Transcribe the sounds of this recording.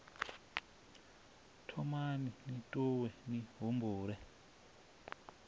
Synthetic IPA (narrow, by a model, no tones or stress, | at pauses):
tʰɔmaninitʼuwɛniɦumbuːɾɛ